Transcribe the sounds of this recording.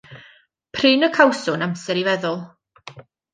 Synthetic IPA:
pʰrɨːnəkʰawsʊnamsɛɾivɛðʊlˠ

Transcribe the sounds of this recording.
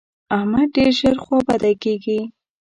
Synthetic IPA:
ahmad̪̚ɖeɾʒəɾxwɑbad̪akeɡi

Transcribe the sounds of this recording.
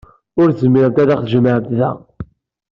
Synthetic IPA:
ʊɾzəmːɪɾnt̪æðaχθʒəməʕət̪ðæ̰

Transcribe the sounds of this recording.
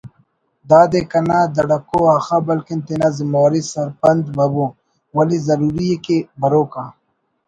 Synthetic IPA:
d̪aːd̪ekɐnad̪ɐɽɐkoaːxabɐlkint̪inazimaːɾisɐɾpɐnd̪bɐboː | wɐlizɐɾuːɾijekebɐɾoːkaː

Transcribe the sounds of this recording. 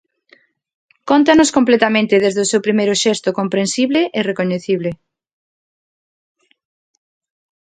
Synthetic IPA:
kont̪anoskomplet̪amẽnt̪ɪðezðʊsewpɾimejɾʊʃɛst̪ʊkompɾẽnsiβlɪʔɪrekoɲeθiβle

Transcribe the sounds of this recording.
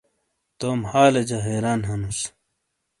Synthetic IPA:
t̪oːmhaːlɐd͡ʑɐɦeːɾaːnɦɐnus

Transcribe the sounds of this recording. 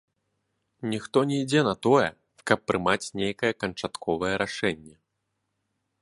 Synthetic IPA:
nʲixt̪ɔnʲɛjd͡zʲɛnɐt̪ɔjɛ̰ | kɐpːɾɨmat͡sʲnʲejkɐjɛkɐnt͡ʂat̪kʰɔvɐjɛɾʔaʂɛnʲːɛ

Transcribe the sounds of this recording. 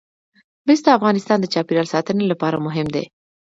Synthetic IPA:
mɪsd̪əafɣɑnɪst̪ɑnd̪ət͡ʃɑpiɾjɑlsɑt̪ənelapɑɾa̰mʊɦɪmd̪ḛ

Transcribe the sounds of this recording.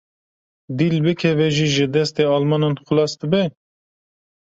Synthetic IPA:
d̪ilbɨkʰɛvɛʒiːʒɨd̪ɛst̪eːɑlmɑnɑnxʊlɑːst̪ɨbɛ

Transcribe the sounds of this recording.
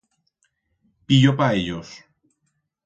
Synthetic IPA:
piʝopaeʎos

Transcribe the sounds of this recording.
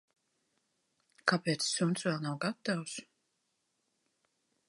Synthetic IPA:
kapʲeːt̪ssunsvɛlˠnawɡat̪aws

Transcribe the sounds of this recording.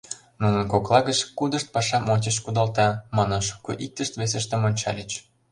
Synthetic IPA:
nunə̆nkoklˠɑɣət͡ɕkud̪əʃt̪̚pɑʃɑmonʲt͡ɕə̆ɕkud̪ɑlt̪ɑmɑnɤnʃu̥koʔik̚t̪əʃt̪ves̬ĕʃt̪ə̆monʲt͡ɕɑ̰lʲət͡ɕ

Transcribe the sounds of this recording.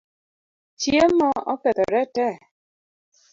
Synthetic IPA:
t͡ʃjemɔɔpɛt̪ɔɾɛtɛ

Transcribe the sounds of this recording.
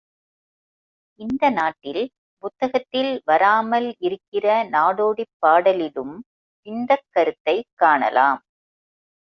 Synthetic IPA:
ʔɪnd̪ɐnaːʈːɪl | pʊt̪ːɐɣɐt̪ːɪlʋɐɾaːmɐlɪɾɯkːɪrɐnaːɽoːɽipːaːɽɐlɪlɯm | sɪnd̪ɐkːɐɾɯt̪ːɐɪkːaːɳɐ̰la̰ːm

